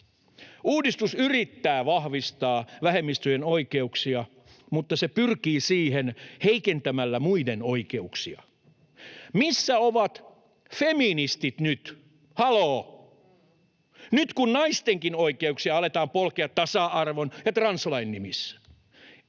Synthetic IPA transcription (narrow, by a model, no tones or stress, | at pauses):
uːdist̪usyrit̪ːæːʋɑhʋist̪ɑːʋæhemːist̪yjenoikeuksiɑ | mut̪ːɑsepyrkiːsiːhenheikent̪æmælːæmuidenoikeuksiɑ̰ | misːæoʋɑt̪ | feminist̪it̪nyt̪ | hɑloː | nyt̪kunnɑist̪eŋkinoikeuksiɑɑlet̪ɑːmpolkeɑt̪t̪ɑsɑʔɑrʋonjɑt̪rɑnslɑinːimisːæ̥